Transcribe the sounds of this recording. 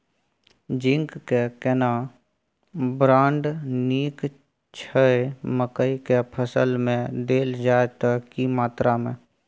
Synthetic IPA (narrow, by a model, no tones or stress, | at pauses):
d͡ʒɪ̃ŋkkekɛna | bɾãːɳɖniːk | t͡ʃʰəeməkəikepʰəsəlmẽd̪eːld͡ʒaːet̪əkimaːt̪ɾamẽ